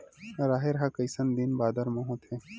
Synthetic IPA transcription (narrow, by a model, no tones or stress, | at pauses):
ɾaːɦeɾɦakɐjsɐnd̪inbaːd̪ɐɾmɐ̃ɦõt̪ʰeː